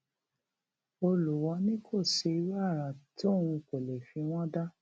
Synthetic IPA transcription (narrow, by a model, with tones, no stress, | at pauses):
o˧lu˨wɔ˧˦nĩ˦kʰo˦˨ʃe˧˦ɾa˦˨ɾa˨to˦˨ũ˧ko˨le˨fĩ˧w̃ɔ̃˦da˦